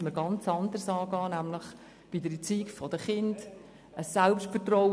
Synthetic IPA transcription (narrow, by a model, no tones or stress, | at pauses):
məɾɡɑnt͡sɑnd̪əɾsɑːɡɑːnæmləχ | b̥idəɾit͡siːkfɔd̥əχɪnd̥ | əsːɛlpʃtfərtrɔw